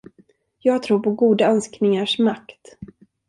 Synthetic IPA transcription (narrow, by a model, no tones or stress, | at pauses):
jɑːɡt̪ʰɾuːɾpʰɔɡuːd̪aœnsknɪŋaʂmakt̪